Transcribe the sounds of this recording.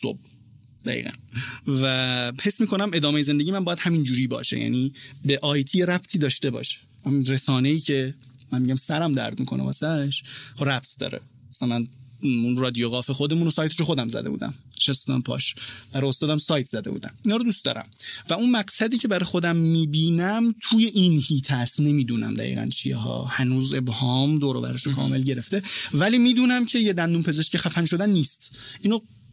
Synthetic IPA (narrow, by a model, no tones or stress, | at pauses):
so̰b̚ | d̪æ̰ɣḭːɣæ̰nvæhe̞smiːkʰo̞næme̞d̪ɒːmejezend̪eɟimænbɒːjæd̪̥hæmind͡ʒuːɾiːbɒ̰ːʃḛjæ̰ːnibeʔɒːjt̪ʰiːjeɾæbt̪ʰiːd̪ɒːʃt̪e̞bɒ̰ʃe̥ | æminɾesɒːne̞iːcʰe̞ | mænmiːɟæmsæɾæmd̪æ̰ɾd̪miːkʰo̞nebɒ̰ːsæʃɾæb̚t̪ʰd̪̥ɒ̰ːɾḛ | sæmænunrɒːd̪ijoɣɒːfexod̪e̞muːnosɒːjt̪ʰeʃoxo̞d̪æmzæ̰d̪ḛbṵːd̪æ̰m | eʃæsbud̪æmpʰɒ̰ʃb̥æɾɒjost̪ɒːd̪æmsɒːjt̪ʰz̥æd̪e̞bṵd̪æ̰minɒːɾod̪uːst̪ɒ̰ːɾæ̰mvæunmæɡsæd̪iːcʰe̞bæɾɒjxo̞d̪æmːiːbiːnæmt̪ʰuːje̞ʔinhiːt̪ʰæst̪ne̞miːd̪uːnæ̰md̪æ̰ʁḭːʁæ̰nt͡ʃʰḭjeɦɒ̰ːhænuːze̞bhɒːmd̪oːɾɒ̰ːbæ̰ɾeʃokʰɒ̰ːme̞lɟe̞ɾe̞ft̪e̞væliːmiːd̪uːnæmcʰe̞jed̪ænd̪umpʰe̞ze̞ʃcʰexæfænʃod̪ænːiːst̪ʔiːno